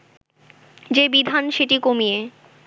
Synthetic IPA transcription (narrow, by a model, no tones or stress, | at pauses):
d͡ʑebid̪ʱanʃeʈikomije